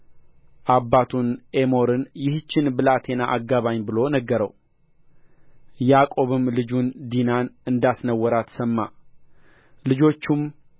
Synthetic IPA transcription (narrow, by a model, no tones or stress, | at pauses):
ʔabːat̪ʰune̞mo̞ɾɨnjɪht͡ʃːɪnbɨlat̪ʰe̞naʔaɡːaβaɲbɨlo̞nəɡːəɾəw | jakʼo̞βɨmlɨd͡ʒund̪inanɨnd̪asnəwːɔɾat̪ʰsəmːa | lɨd͡ʒo̞t͡ʃːum